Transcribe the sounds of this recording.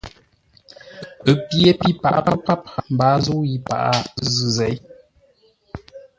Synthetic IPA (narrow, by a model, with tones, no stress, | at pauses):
ə˨pje˦pi˦pa̰˨ʔa̰˦˨pa˦pa˦p̚m̩˨baː˨˦zo˦ji˦pa̰˨ʔa˦zɨ˦˨zɛ˨˦j